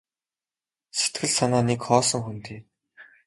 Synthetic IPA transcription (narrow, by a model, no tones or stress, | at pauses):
set̪ɡɘ̆ɮsanaːnekχɔːsɞ̆ŋxunt̪iː